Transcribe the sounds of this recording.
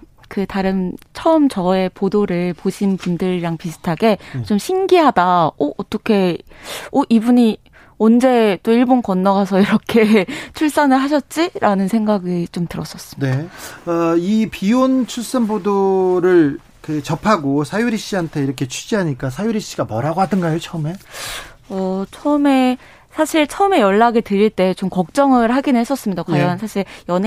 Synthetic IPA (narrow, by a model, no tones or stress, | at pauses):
kɯtaɾɯnt͡ɕʰʌɯmt͡ɕʌe̞podoɾɯɭpoɕʰinpundɯɾɾaŋpisʰɯ̥tʰaɡe̞t͡ɕomɕʰinɡiɦadaoʔːt͈ʌkʰe̞ | oʔibuɲi | ʌnd͡ʑe̞t͈oiɭbonkʌnːaɡas̬ʰʌiɾʌkʰe̞t͡ɕʰuɭs͈anɯɭɦaɕ̬ʰʌt̚t͡ɕ͈iɾʔanɯnsʰe̞ŋɡaɡit͡ɕomtɯɾʌs͈ʌs͈ɯmneʌipiont͡ɕʰuɭs͈anbodoɾɯɭ | kɯt͡ɕʌpʰaɡosʰajuɾiɕ͈iɦantʰe̞iɾʌkʰe̞t͡ɕʰud͡ʑiɦaɲik͈as̬ʰajuɾiɕ͈iɡamʌɾaɡoɦadɯnɡajot͡ɕʰʌɯme̞ | ʌt͡ɕʰʌɯme̞ | sʰaɕʰiɭt͡ɕʰʌɯme̞jʌɭːaɡetɯɾiɭt͈e̞t͡ɕomkʌk̚t͡ɕ͈ʌŋɯɭɦaɡinhe̞s͈ʌs͈ɯmɲidakwajʌnsʰaɕʰiɭjʌn